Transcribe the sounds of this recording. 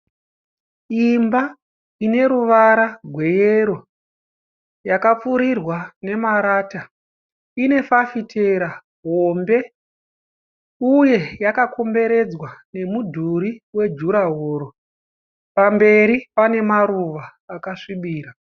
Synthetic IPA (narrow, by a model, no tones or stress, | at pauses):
imba | ine̞ɾuʋaɾaɡʱwe̞jeɾo̞ | jakap͡fuɾirwane̞maɾaːta | ine̞fafitʰeɾa | ɦo̞mbe̞ | uje̞jakakʰo̞mbe̞ɾe̞d͡zwane̞mudʱuɾiwe̞d͡ʒuɾaɦoːɾo | pambe̞ɾipane̞maɾuʋaːkaʂiɓiːɾa